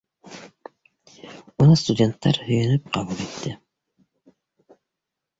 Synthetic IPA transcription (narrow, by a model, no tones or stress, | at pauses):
unust̪ud̪ʲe̞nt̪ʰːɑɾhɵjynyp̚qʰɑβulˠet̪ːɪ